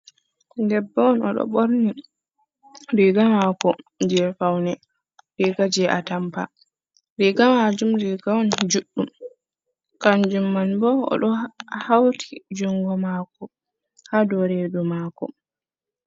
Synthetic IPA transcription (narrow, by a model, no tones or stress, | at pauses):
ndɛbːawɔnɔ̰ɗɔ̰ɓoɾni | ɾiɡamakɔd͡ʒɛfawnɛ | ɾiɡad͡ʒɛʔa̰tampa̰ | ɾiɡamad͡ʒumɾiɡawɔnd͡ʒuɗːum | kand͡ʒumːanbɔɔ̰ɗɔhawtʰi̥d͡ʒuŋɡɔmaːkɔ | kadɔɾedumaːkɔ